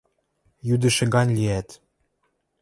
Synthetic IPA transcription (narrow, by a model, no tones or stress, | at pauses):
jyd̪ɘ̆ʃɘ̆ɡɑnʲliæt̪